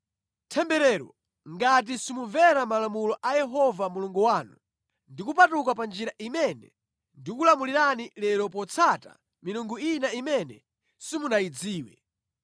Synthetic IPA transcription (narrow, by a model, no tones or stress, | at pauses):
tʰɛmbɛɾɛɾɔ̰ | ŋɡat̬isimuvɛɾamalamulɔʔajɛɦɔvamuluŋɡuwanu | ndikupatuk̬apand͡ʒiɾaʔimɛnɛ̰ | ndikulamuliɾanilɛɾɔpɔt͡sʰata̰ | minuŋɡuinaimɛnɛ | simunaid͡ziːwɛ̰